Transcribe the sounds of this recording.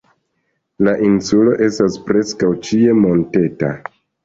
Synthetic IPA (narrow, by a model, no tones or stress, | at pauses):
laʔinsulo̞ʔe̞staspɾe̞skawt͡ʃie̞mo̞nte̞ta̰